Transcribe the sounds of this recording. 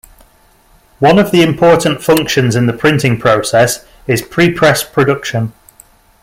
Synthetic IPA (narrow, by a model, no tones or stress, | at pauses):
wʌ̃nəvðiɪ̃mpʰɔˑʔn̩tfʌ̃ŋkʃə̃nzɪ̃nðəpʰɹ̥ɪ̃ntɪ̃ŋpʰɹ̥oʊsɛs | ɪz̥pʰɹ̥ipʰɹ̥ɛspʰɹ̥ədʊkʃə̃n